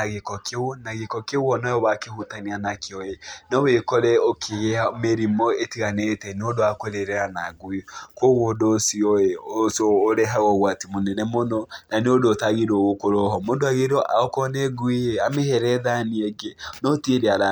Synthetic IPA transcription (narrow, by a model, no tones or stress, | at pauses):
aɣekɔkʰeonaɣekɔkewɔnɔjɔβakehutanianakeɔenɔwekɔɾɛokʰeɣeameɾimɔetiɣanetɛnodoakoɾeɾɛɾanaɡwikoɣoːdosiɔeosoːɾeɦaɣɔɣwatimonɛnɛmonɔnaneodoːtaɣiɾoɣokoɾɔɦɔmoːndoaɣeɾɔʔa̰ɔkɔnɛɡwijeamehɛɾɛðaniɛɡenɔteɾeaɾa